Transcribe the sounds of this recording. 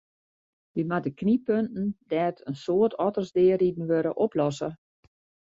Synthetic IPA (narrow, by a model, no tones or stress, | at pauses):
dimadəknipøntn̩dɛːtʰənsoətɔtərsdɪːəridn̩ʋøɾə̰ʔoplɔsə